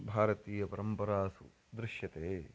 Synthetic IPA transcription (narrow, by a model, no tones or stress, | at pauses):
bʱaːɾɐt̪iːjɐpɐɾɐmpɐɾaːsṵ | d̪ɾɪʃjɐt̪eː